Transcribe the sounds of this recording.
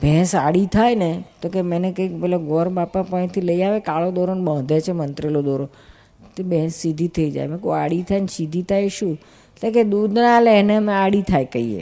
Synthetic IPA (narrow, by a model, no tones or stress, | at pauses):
bʱɛ̃saɽit̪ʰajnet̪okemɛnekəikpɛloɡɔɾbapãpə̃nt̪ʰiləiaʋekaɭod̪ɔɾonbə̃ɦd̪ʱet͡ʃʰemənt̪ɾelod̪ɔɾo | t̪ebʱɛ̃sːid̪ʱit̪ʰəid͡ʒa̰jmɛ̃koaɽit̪ʰajnsid̪ʱit̪ʰajʃũ | etlẽked̪ud̪ʱnalenemẽaɽit̪ʰajkəiḛ